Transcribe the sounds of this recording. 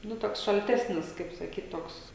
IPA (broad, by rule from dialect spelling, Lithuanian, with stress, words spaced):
ˈnʊ ˈtoːks ʃɐlʲˈtʲæːsʲnʲɪs kɐɪp sɐˈkʲiːt ˈtoːks